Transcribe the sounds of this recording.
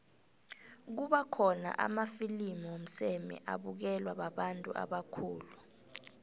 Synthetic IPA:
k̬uɓakʰɔna̰ʔa̰mafilimiom̩sɛmɛ̰ʔa̰ɓuk̬ɛlwaɓaɓantʼṵʔa̰ɓakʰuːlu

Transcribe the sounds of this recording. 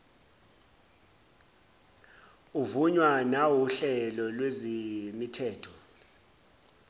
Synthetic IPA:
uvuɲwanawuɬɛlɔlwezemitʰɛːtʰɔ̥

